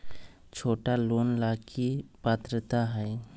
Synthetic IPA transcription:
t͡ʃʰoːʈaloːnlaːkʰipaːt̪ɾət̪aɦɛe

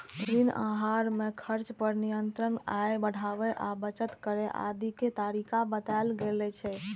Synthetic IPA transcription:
ɾinã̰ɦaɾmekʰəɾt͡ʃpəɾnijənt̪ɾənajbəɽ̤ʱaʋɛʔabət͡ʃət̪kəɾɛʔa̰d̪iket̪aɾikʰabət̪alɡelɛt͡ʃʰɛ

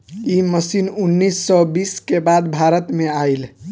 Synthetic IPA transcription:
iməsinunːisːɔbiskebad̪bʱaɾət̪meail

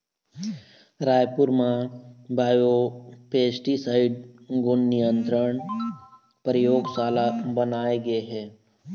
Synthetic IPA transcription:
ɾaːjpʊɾmabʱaːjopeːsʈisaːɪɖ̚ɡʊnːijə̃nt̪ɾəɳ̃ | pəɾɪjoːɡsaːlabɐnaːeɡɐeɦɛː

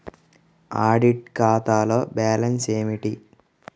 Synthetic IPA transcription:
aːɖiʈ̚kaːt̪aːloːbaːlɐnseːmiʈi

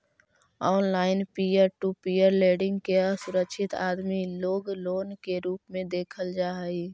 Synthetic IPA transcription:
ɔːnlaːɪnpiəɾʈupiəɾleːɖɪ̃ŋɡkeəsʊɾəkʃʰɪt̪aːd̪miloːɡloːnkeɾuːpmẽd̪eːkʰəld͡ʒaːɦəi

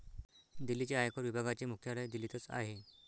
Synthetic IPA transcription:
d̪ilːit͡ɕaajkoɾʋibʱaɡat͡ɕemukʰjaɭejd̪ilːit̪ət͡sa̰ɦe

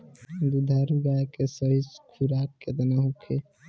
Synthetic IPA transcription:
d̪ud̪ʱaɾɡakesəɦiskʰuɾakːed̪ənəɦukʰe

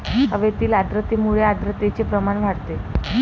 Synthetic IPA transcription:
əʋet̪iːlad̪ɾət̪imuɭead̪ɾət̪et͡sepɾəmanʋʱaɽt̪e

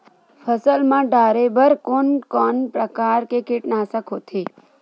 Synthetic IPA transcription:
fʰəsəlmãɖaɾebəɾkonkɔnpɾəkaɾkekɪʈnasəkʰot̪ʰe

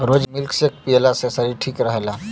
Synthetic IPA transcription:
ɾoːd͡ʒmɪlksek̚pijlasesəɾiʈʰiːkɾəɦla

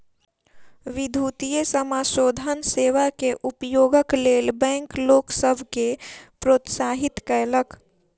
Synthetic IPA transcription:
ʋɪd̪ʱuːt̪ijesəmaːʃoːd̪ʱənseːʋakeʔʊpjoːɡəkleːlbɛ̃ːŋkloːksəbʱkepɾoːt̪saːɦɪt̪kələk

